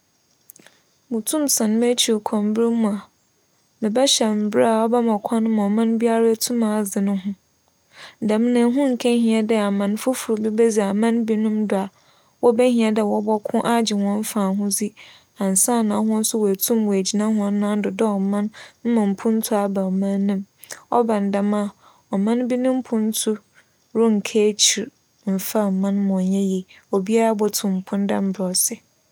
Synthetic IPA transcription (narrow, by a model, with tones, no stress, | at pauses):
mʊ̃˨tʰũ˦msʰã˨n˦m˦e˦t͡ɕʰi˨o˨kʰɔ̃˨mbɾi˦mũ˨a˨ | mɪ̃˨bɛ˦ɕɛ˨m̩˨bɾa˨ɔ˦bɛ˦mɔ̃˨kʷʰɔ̃˦nʊ̃˦mã˨mã˦n˦bi˦a˦ɾa˦tʰũ˦mã˨d͡zɪ˨nʊ̃˦ɦʊ̃˦˨ | da˨m˦nã˨˦ɦʊ̃˦ŋ̩˨kʰɛ˦ɦĩ˨ɛ˨dɛ˦a˨mã˨n˦fʊ˦fʊ˨ɾʊ˨bi˦bɛ˦d͡zi˨a˨mã˦nbi˦nʊ̃˦mdʊ˨a˨ | wɔ˦bɛ˦ɦĩ˨ɛ˨dɛ˨wɔ˦bɔ˦kʰʊ̃˦ʔa˦d͡ʑɪ˨wɔ̃˦n˦fã˨ɦʊ̃˦d͡zi˦ | ã˨n̩˨sã˦˨nã˨˦ɦʊ̃˦n̩˦sʊ˦wæ˨tʰũ˦mwɔ˨æ˨d͡ʑi˨nã˦ɦʊ̃˦a˦nã˦n̩˦dʊ˨dɔ˦ɔ˨mã˦nm̩˦mã˨m̩˨pʰʊ̃˦n̩˦tʰʊ˦a˨ba˨mã˦nĩ˦m | ɔ̰˦bã˨n̩˨da˨mã˦˨ | ɔ˨mã˦n˦bi˦nʊ̃˦m̩˦pʰʊ̃˦n̩˦tʰʊ˦ | ɾʊ˦ŋ̩˨kʰeː˦t͡ɕʰi˨ɾ | m̩˨fa˦˨mã˦n˦mã˨ɲɛ˦ji˨ | ɔ˨bi˦a˦ɾa˦bɔ˦tʰʊ̃˨m̩˨pʰʊ̃˦n˦da˦m̩˦bɾɔ˨sɪ˦